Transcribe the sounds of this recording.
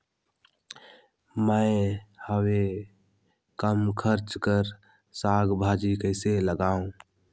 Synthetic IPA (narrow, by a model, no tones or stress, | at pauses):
mə̃ɪhəwe | kəmkʰəɾt͡ʃkəɾ | saːɡbʱaːd͡ʒikəɪseləɡaːũ